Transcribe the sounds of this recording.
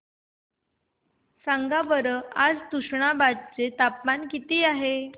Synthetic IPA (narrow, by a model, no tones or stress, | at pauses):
saŋɡabəɾəad͡zt̪uʂɳabad̪̚t͡set̪apmankit̪iːaɦe